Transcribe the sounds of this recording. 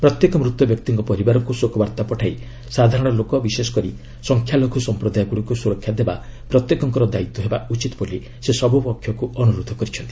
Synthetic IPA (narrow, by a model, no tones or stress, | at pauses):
pɾɔt̪jekɔmɾut̪ːwɔbjɔk̚t̪iŋkɔpɔɾibaɾɔŋkusokɔbaɾt̪apɔʈʰai | sad̪ʱaɾɔɽ̃ɔlokɔbisesɔ̥kɔɾi | sɔŋkʰjalokʰusɔmpɾɔd̪ajɔɡuɽikusuɾɔkʰjad̪eba̰pɾɔt̪jekɔŋkɔɾɔd̪ait̪ːɔɦeba̰ut͡ʃit̪ɔboli | sesɔbʱupɔkʰːjɔkuɔnuɾud̪ʱɔkɔɾit͡ʃʰɔnt̪i̥